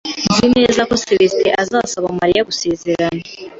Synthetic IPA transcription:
zine̞ːzako̞seβesteʔazasaβamaɾijaɡuse̞ːze̞ɾana

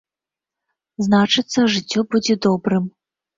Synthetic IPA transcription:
znat͡ʂɨt̪sːɐʐɨt͡sʲːɔbud͡zʲɛd̪ɔbɾɨm

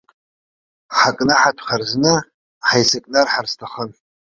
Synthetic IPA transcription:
ħakʼnɨħatʰʼχarznɨ | ħajsakʼnarħarstʰaχən

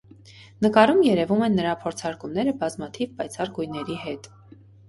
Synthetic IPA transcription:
nəkɑɾumjɛɾɛvumɛnːəɾɑpʰɔɾt͡sʰɑɾkumnɛɾəbɑzmɑt̪ʰivpɑjt͡sʰɑrɡujnɛɾiɦɛt̪

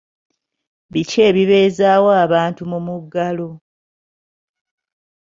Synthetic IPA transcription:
βice̞ːβiβe̞ːzaːwaːβaːntumumuɡːalo

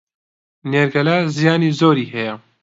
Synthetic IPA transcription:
neɾɡɐlaːzijaːnizoːɾiːɦɛjɐ

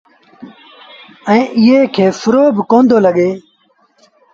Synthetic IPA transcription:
ə̃ĩːʔɪɦeːkʰeːfʊɾoːbkõːnd̪ʱoːləɠeː

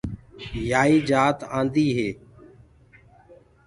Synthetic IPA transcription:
jaːiːd͡ʒaːt̪ãːnd̪iːɦeː

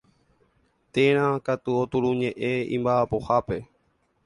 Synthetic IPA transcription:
t̪ẽɾ̃ãkat̪uot̪uɾũɲẽʔẽḭ̃mbaapo̞hape̞

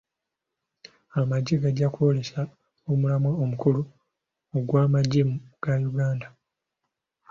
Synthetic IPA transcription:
amaɟːeɡaɟːakwo̞le̞sa | omulamwaomukulu | oɡwaːmaɟːemuɡ̥ajuɡaːnda

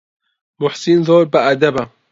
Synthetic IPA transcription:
mʊħsinzoːɾbaʔɐd̪ɐba

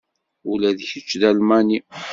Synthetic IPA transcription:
ulæðçət͡ʃːðælmæni

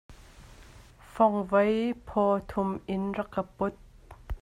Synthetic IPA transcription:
fɔŋvɐjpʰɔt̪ʰʊmʔɪnrɐkːapʊt̪̚

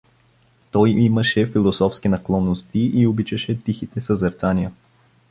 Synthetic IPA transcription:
t̪ɔjimɐʃɛfilˠosɔfskinɐklˠɔnːost̪iʔiobit͡ʃɐʃɛt̪ixit̪ɛsɐzɐɾt̪sanijə

